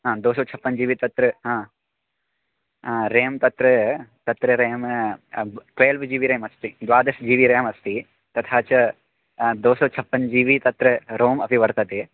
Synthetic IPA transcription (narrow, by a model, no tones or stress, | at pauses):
ɦãːd̪oːsɐt͡ʃʰɐpːɐnd͡ʒiːʋit̪ɐt̪ɾɨɦãː | ɾeːmt̪ɐt̪ɾɐt̪ɐt̪ɾɨɾeːm | ʈʋeːlʋd͡ʒiːʋiɾeːmɐst̪id̪ʋaːd̪ɐsd͡ʒiːʋiɾeːmɐst̪i | t̪ɐt̪ʰaːt͡ʃɐ | d̪oːsɐt͡ʃʰɐpːɐnd͡ʒiːʋit̪ɐt̪ɾɨɾoːmɐpiʋɐɾt̪ɐt̪e